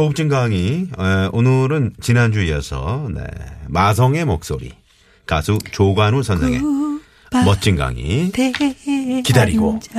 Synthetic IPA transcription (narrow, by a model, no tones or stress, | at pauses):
ouk̚t͡ɕ͈iŋɡaŋieonɯɾɯnt͡ɕinand͡ʑuiʌsʰʌ̰ne̞̰masʰʌŋe̞mok̚s͈oɾḭ | kasʰut͡ɕoɡanusʰʌnsʰeŋe̞̰ | mʌt̚t͡ɕ͈inɡa̰ŋḭ | kidaɾiɡo̰